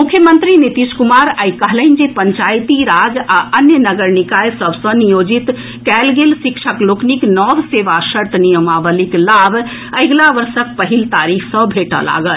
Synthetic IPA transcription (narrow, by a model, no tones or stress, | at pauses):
mukʰjəmənt̪ɾinit̪iskumaɾajkəɦləɪnd͡ʒepəɲt͡ʃajt̪iɾad͡ʒaʔənjənəɡəɾnikajsəbsə̃nijod͡ʒit̪ | kælɡelsikt͡ʃʰəklokniknɔbseʋasəɾt̪nijəmabəliklabʱəjɡlaʋəɾsək̚pəɦilt̪aɾikʰsə̃bʱeʈə̰la̰ɡəl